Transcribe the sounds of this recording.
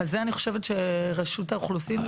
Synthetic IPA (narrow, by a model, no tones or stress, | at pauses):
azeaniχo̞̥ʃe̞vetʃeʁeʃutauχlusim